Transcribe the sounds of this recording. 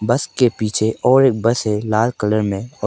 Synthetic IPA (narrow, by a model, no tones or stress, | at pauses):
bɐskepiːt͡ʃʰeʔɔːɾeːk̚bəsɦɛlaːlkələɾmẽɔ